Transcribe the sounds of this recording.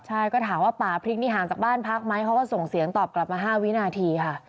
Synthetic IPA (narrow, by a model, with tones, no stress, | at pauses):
t͡ɕʰa˥˩jkɔː˥˩t̪ʰaː˩˦mwaː˥˩paː˨˩pʰɾi˦˥k̚niː˦˥˩ɦaː˩˦ŋt͡ɕaː˨˩k̚baː˥˩npʰa˦˥k̚ma˦˥jpʰɔ˦˥kɔː˥˩so˨˩ŋsi˨˩˦əŋt̪ɔː˨˩p̚kla˨˩p̚maː˧ɦaː˥˩wi˦˥naː˧t̪ʰiː˧kʰa˥˩